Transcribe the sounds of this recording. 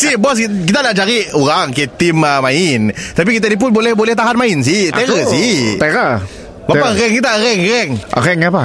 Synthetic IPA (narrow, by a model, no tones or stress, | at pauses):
sihbɔsk̬it̪anaʔd͡ʒaɾioɾaŋket̪iməmaɪnt̪ap̬ikit̪̬adip̬ʊnbolɛhbolɛht̪aɦanmaɪns̬iht̪eɾəsɪht̪eɾə | bapaɣɛŋkit̪aɾɛŋɣɛŋ̰ɾɛŋapa